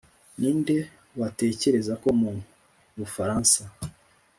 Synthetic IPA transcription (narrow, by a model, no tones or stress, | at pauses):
niːnde̞ | wate̞ːce̞ɾe̞zako̞mun | βufaɾaːnsa